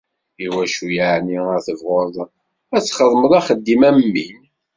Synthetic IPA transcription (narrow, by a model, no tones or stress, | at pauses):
iwæʃujaʕniəɾθəvʁʊɾðˤ | æt͡sːχəðˤməðˤɑχəd̪ːimæmːin